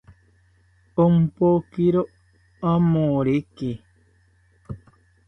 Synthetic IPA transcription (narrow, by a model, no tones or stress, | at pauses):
om̩pokiɾoʔ | amõɾeke